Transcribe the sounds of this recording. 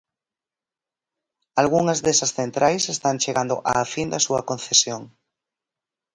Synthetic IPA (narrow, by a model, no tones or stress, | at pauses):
alɣuŋɐzðesɐsθent̪ɾʔajsest̪aŋt͡ʃeɣand̪oʔa̰find̪ɐsuɐkõn̟θesjoŋ